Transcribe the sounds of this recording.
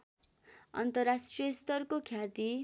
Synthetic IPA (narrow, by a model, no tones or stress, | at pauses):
ʌ̰nt̪ʌrasʈrijʌst̪ʌrkokʰjat̪i